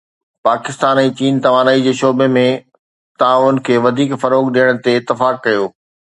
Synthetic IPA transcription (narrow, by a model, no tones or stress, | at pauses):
paːkɪst̪aːnɛ̃ːt͡ɕiːnt̪ɐʋaːnaːid͡ʑeːʃoːbemẽ | t̪aãʊnə̆kʰeːʋɐd̪ʱiːkfɐɾoːkɗijəɽ̃̆t̪eɪt̪ːɪfaːkːɐjoː